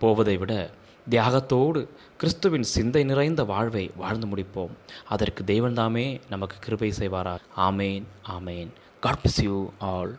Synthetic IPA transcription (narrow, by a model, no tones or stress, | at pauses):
poːʋɐðɐɪʋɪɽɐ | d̪ɪjaːɣɐt̪ːoːɽɯ | kɪɾɪst̪ɯʋɪnsɪnd̪ɐɪnɪrɐɪnd̪ɐʋaːɻʋɐɪʋaːɻnd̪ɐmʊɽɪpːoːmɐðɐrkɯd̪eːʋɐnt̪aːmeːnɐmɐkːɯ̥kːɪɾɯbɐɪsɛjʋaːɾaːaːmeːnaːmeːn | ɡ̥aːɖpɪsjuːaːɭ